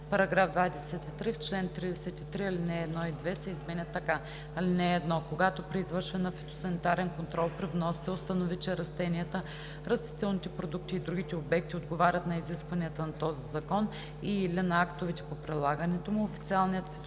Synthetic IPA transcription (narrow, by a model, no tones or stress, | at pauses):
pɐɾɐɡɾavd̪vad̪ɛsɛt̪it̪ɾift͡ʃlɛnt̪ɾid̪ɛsɛt̪it̪ɾiɐlinɛːd̪nɔid̪vɛsɛizmɛnʲət̪ːɐka | ɐlinɛːd̪nɔkoɡat̪opɾiːzvɤɾʃvɛnɐfɛt̪o̥sɐnit̪aɾɛnkont̪ɾɔlˠpɾivnɔssɛost̪ɐnovit͡ʃɛɾɐst̪ɛniət̪ə | ɾɐst̪i̥t̪ɛlˠnit̪ɛpɾod̪uk̚t̪iːd̪ɾuɡit̪ɛobɛk̚t̪iod̪ɡovaɾʲət̪nɐiziskvɐniət̪ənɐt̪ɔzizɐkɔn | ilɛnɐakt̪ovit̪ɛ̥popɾilˠaɡənɛt̪omʊofi̥t̪sialˠnijət̪fɛ